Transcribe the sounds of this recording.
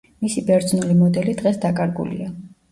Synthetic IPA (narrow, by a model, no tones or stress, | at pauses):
misibɛɾd̪znulimɔd̪ɛlid̪ʁɛsd̪akʼaɾɡṵlḭa